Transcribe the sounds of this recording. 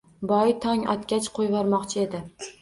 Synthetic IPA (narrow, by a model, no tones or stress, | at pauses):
bɒjt̪ʰɒŋɒ̰t̪kʲat͡ʃqʰojvɒɾmɒqt͡ʃʰɪe̞d̪ɪ